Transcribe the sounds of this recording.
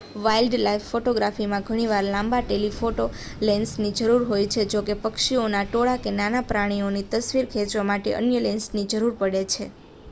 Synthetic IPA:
ʋailɖlaifːoʈoɡɾafimãɡʱəɽ̃iʋaɾlãmbaʈelifoʈo | lensnid͡ʒəɾuɾɦojt͡ʃʰed͡ʒokepəkʃionaʈoɭakenanapɾaɽ̃ionit̪əsʋiɾkʰet͡ʃʋamaʈḛʔə̰njəlensnid͡ʒəɾuɾpəɽet͡ʃʰḛ

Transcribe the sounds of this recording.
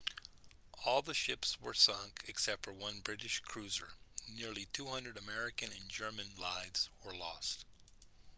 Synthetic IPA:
ɔlˠðəʃɪpswə˞sʌ̃ŋkʰɨksɛp̚tfə˞wʌ̃nbɹɪɾɨʃkʰɹ̥ʉzə˞nɪɹlˠitʰuhʌ̃ndɹɨɾɨmɛɹɨkɨ̃nɨ̃nd͡ʒɜ˞mɨ̃nlaɪvz̥wə˞lɔ̰st̚

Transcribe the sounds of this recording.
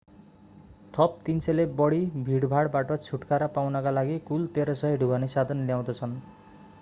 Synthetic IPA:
t̪ʰʌp̚t̪inselebʌɽibʱiɽbʱaɽbaʈʌt͡sʰuʈkaɾʌpawnʌkalaɡikult̪eɾʌsʌɦiɖʱubanesad̪ʱʌnljaw̃d̪ʌt͡sʰʌn

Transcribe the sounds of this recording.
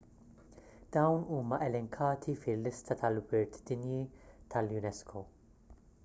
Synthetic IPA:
d̪̥ɐwnuːmɐʔɛlɛŋkʰɐːt̪ʰifɪlːɪst̪ɐt̪ɐlwɪɾt̪d̪ɪnjit̪ʰɐljʊnɛskʰo

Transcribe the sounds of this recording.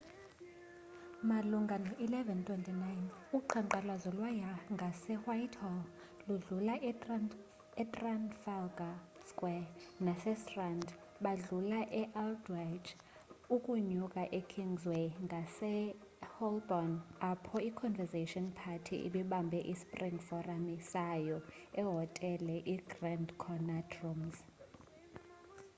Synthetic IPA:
maluŋɡʱanɔʔilɛvɛntʰwɛntʼinajnuǃʰaŋǃalazɔlwajaŋɡʱasɛwajtʰɔl | luɮula | ɛtʼranfalɡa | skʼwɛnasɛstrand | ɓaɮulaʔɛʔaldwajd͡ʒ | ukʼuɲukʼaʔekʰiŋzweŋɡʱasɛ | hɔlbɔnapʰɔikʰɔnvɛzeʃiɔnpʰatʰḭʔḭɓiɓambʱɛʔispʼriŋfɔramisajɔɛɦɔtʼɛlɛʔiɡrandkʰɔnatrɔmz

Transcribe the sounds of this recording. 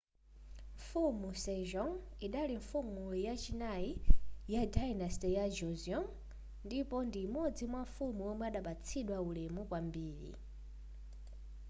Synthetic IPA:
ɱfumusɛʒɔŋiɗaliɱfumujat͡ʃinaijadanɛstɛjad͡ʒɔziɔŋ | ndipɔndimɔd͡zimwaɱfumuɔmɛaɗaɓat͡sʰiɗwaulɛmukwambiːɾḭ

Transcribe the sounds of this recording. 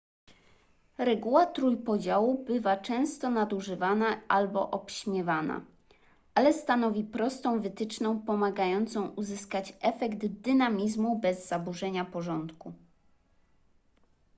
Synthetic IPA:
ɾɛɡuwat̪ɾujpɔd͡ʑawubɘvat͡ʂɛ̃w̃st̪ɔnad̪uʐɘvanaʔalbɔʔɔpɕmʲjɛvana̰ | ʔalɛst̪anɔvʲipɾɔst̪ɔ̃w̃vɘt̪ɘt͡ʂnɔ̃w̃pɔmaɡajɔnt̪sɔ̃w̃uzɘskat͡ɕɛfɛɡt̪d̪ɘnamʲizmubɛzːabuʐɛɲapɔʐɔnt̪ku

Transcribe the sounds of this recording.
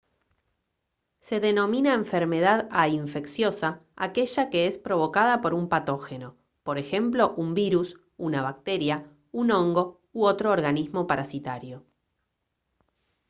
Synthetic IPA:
se̞ðeno̞minaeɱfeɾme̞ð̞aðaiɱfe̞ksjo̞saa̰ke̞ʒake̞espɾo̞β̞o̞kað̞apo̞ɾumpat̪o̞xeno̞ | po̞ɾexe̞mplo̞ʔumbiɾus | unaβ̞ak̚t̪e̞ɾja | uno̞ŋɡo̞ | uot̪ɾoːɾɣanizmo̞paɾasit̪aɾjo̞

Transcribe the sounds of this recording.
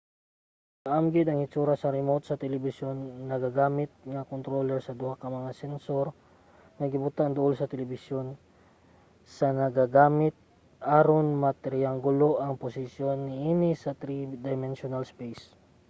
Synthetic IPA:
kaʔamɡɪd̪ɐŋhɪt͡ʃuːɾasɐɾɛmot̪̚sɐt̪ɛlɪbɪsjonːɐɡaɡaːmɪt̪̚ŋakont̪ɾolɛɾsɐd̪ʊhakɐmɐŋasɛnsoɾ | ŋɐɡɪbʊt̪aŋd̪ʊʔolsɐt̪ɛlɛbɪsjon | sɐnɐɡaɡaːmɪt̪̚ | ʔaɾonmɐt̪ɛɾɪaŋɡʊloʔɐŋpʊsɪsjonːɪʔinɪsɐt̪ɾid̪ɐjmɛnʃonalspɛjs

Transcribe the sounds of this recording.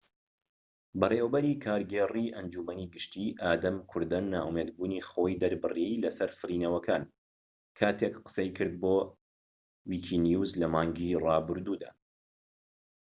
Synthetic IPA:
bɐreːwɐbɐɾiːkʰaːɾɡeːriʔɐnd͡ʒuːmɐniɡɨʃt̪iːʔaːd̪ɐmkʰʊɾd̪ɐnːa̰ːʔumeːd̪̚buːnixoːjd̪ɐɾbɨrejlɐsɐɾsɨriːnɐwɐkʰaːn | kʰaːt̪ʰekqə̥sejkʰɨɾd̪̚boː | wiːkʰinjuzlɐmaːŋɡirɑːbɨɾd̪uːd̪a̰ː

